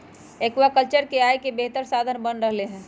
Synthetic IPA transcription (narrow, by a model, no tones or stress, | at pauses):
eːkwakəlt͡ʃəɾkeaːjkebeɦt̪əɾsaːd̪ʱənbənɾəɦleɦɛ̃ː